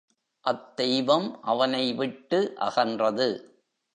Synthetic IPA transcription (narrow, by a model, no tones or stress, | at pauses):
ʔɐt̪ːɛjʋɐmʔɐʋɐnɐɪʋɪʈːɯʔɐ̰ɣɐndrɐðɯ